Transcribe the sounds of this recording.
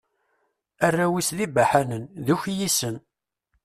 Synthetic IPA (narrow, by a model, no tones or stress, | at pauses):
ærːæwisðibaħanənðuçjisən